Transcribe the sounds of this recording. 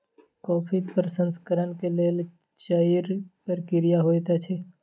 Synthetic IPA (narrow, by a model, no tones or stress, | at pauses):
kɔːpʰipɾəsə̃nskəɾənkeleːl | t͡ʃaːiɾpəɾkɪɾijaɦoːt̪at͡ʃʰeː